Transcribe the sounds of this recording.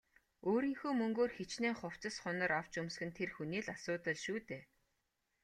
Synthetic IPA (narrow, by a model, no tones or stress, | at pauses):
oːɾiːŋxuːmɵŋɡoːrxet͡ɕneːχʊw̥t͡sə̆sχʊnə̆ɾaw̥t͡ɕɵmsxɘ̆nt̪ʰerxuniːɮasʊːt̪ə̆ɮʃuːt̪eː